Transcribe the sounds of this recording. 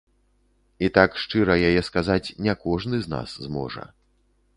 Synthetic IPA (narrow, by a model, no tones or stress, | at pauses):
it̪akʂt͡ʂɨɾɐjajɛskazat͡sʲnʲɛkɔʐnɨzna̰szmɔ̰ʐɐ̰